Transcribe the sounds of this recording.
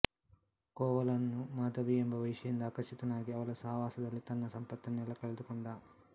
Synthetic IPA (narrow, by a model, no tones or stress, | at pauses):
kɔːʋɐlɐnːumaːd̪ʱɐʋiembɐʋɐjʂɐjind̪ɐaːkɐʂit̪ɐnaːɡiɐʋɐɭɐsɐɦɐʋaːsɐd̪ɐlːit̪ɐnːɐsɐmpɐt̪ːɐnɛlːɐkɐɭɐd̪ukɔɳɖa